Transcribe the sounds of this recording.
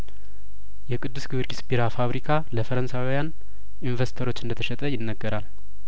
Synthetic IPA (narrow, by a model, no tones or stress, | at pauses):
jɛkʼɨd̪ːɨsɡɨβɾɡisbiɾafaβɾikʰaləfəɾənsawijan | invəsi̥t̪ʰəɾo̞t͡ʃːɨnd̪ət̪ʰəʃɛt̪ʼəjɪnːəɡːəɾal